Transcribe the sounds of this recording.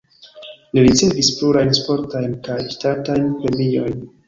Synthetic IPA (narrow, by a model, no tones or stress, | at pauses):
liɾit͡se̞vispluɾajnspo̞ɾtajnkajtatajnpɾe̞mio̞jn